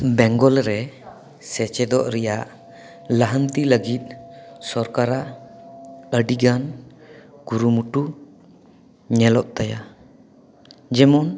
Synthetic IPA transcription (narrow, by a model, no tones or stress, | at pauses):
bɛ̃ŋɡɔlɾɛ | sɛt͡ʃɛd̪ɔʔɾɛjaʔ | laɦənt̪iləɡit̪̚ˀsɔɾkaɾaʔ | əɖiɡan | ɡ̥uɾumuʈu | ɲɛlɔʔ̚t̪aja | d͡ʒɛmɔn